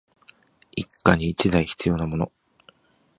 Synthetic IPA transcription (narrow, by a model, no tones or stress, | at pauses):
ikːaɲiːt͡ɕid̪aiçi̥t͡sɨjo̞namo̞no̞̰